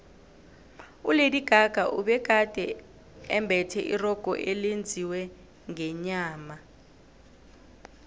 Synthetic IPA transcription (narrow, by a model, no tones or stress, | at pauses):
ulediɡ̥ʱaɡ̥ʱaʔuɓɛɡ̥ʱad̥ʱɛ | ɛmbʱɛtʰɛʔirɔɡ̥ʱɔ̰ʔelend͡zʱiwɛ | ŋɛɲaːma